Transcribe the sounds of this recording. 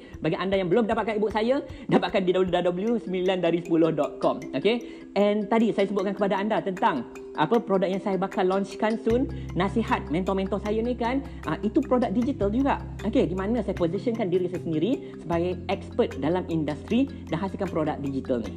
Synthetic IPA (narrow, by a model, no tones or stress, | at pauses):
baɡiʔandajaŋbəlumədapat̪̚kanibʊʔ̚sajadapat̪̚kandidabəludadabəljusəmbilandaɾisə̥pulʊhdɔt̪̚kɔmoke | ʔɛnt̪adisajasəbʊt̪̚kankəpadaandat̪ənt̪aŋ | ʔapəpɾodak̚jaŋsajabakalɔɲt͡ʃkansunnãsihat̪̚mɛ̃nt̪ɔmɛ̃nt̪ɔsajanikan | ʔaʔit̪upɾodak̚did͡ʒit̪əld͡ʒuɡaʔ | okedimãnə̃sajapozisənkandiɾisajasəndiɾi | səbaɡajɛk̚spət̪̚dalamindast̪ɾi | daŋɦasilkanpɾodak̚did͡ʒit̪əlnḭ